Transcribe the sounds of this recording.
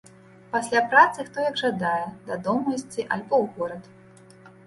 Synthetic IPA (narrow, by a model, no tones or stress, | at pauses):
pasʲlʲapɾat̪sɨxt̪ɔjɐɡʐad̪ajɛd̪ad̪ɔmɐsʲt͡sʲiʔɐ̰lʲbɔwɣɔɾɐt̪